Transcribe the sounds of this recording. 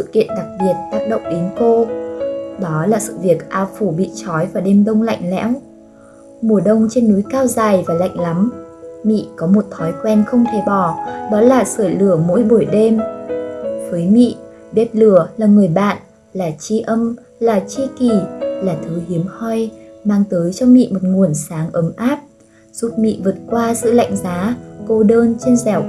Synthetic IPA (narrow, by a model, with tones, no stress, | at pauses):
sɨ̰˧˨kḭ˧˨ənɗa˨˩k̚ɓi˨˩ət̚t̪aː˦˥k̚ɗə̰˧˨wŋ͡mɗe˨˦nko˧ | ɗɔ˨˦laː˨˩sɨ̰˧˨vi˨˩ək̚ʔaː˧˩wfu˧˩ɓḭ˧˨t͡ɕɔ˨˦jvaː˨˩ɗe˧mɗə˧wŋ͡mla̰˧˨jŋ̟lɛ̰˧˥w | mu˨˩əɗə˧wŋ͡mt͡ɕe˧nːu˨˦jkaː˧wzaː˨˩jvaː˨˩la̰˧˨jŋ̟la˨˦mmḭ˧˨kɔ˨˦mo˨˩t̚t̪ʰɔ˨˦jkwɛ˧nxə˧wŋ͡mt̪ʰe˧˩ɓɔ˧˩ɗɔ˨˦laː˨˩səː˧˩lɨ˧˩əmo̰˧˥jɓu˧˩jɗe˧m | vəː˨˦jmḭ˧˨ | ɓɛ˦˥p̚lɨ˧˩əlaː˨˩ŋɨ˨˩əjɓa̰ː˧˨n | laː˨˩t͡ɕi˧ʔə˧m | laː˨˩t͡ɕi˧ki˨˩laː˨˩t̪ʰɨ˨˦hi˨˦əmhɔ˧jmaː˧ŋt̪əː˨˦jt͡ɕɔ˧wŋ͡mmḭ˧˨mo˨˩t̚ŋu˨˩ənsaː˨˦ŋʔə˨˦mʔaː˦˥p̚ | z̥u˦˥p̚mḭ˧˨vɨ˨˩ət̚kwaː˧zɨ̰˧˨la̰˧˨jŋ̟zaː˨˦ko˧ɗəː˧nt͡ɕe˧nzɛ˧˩w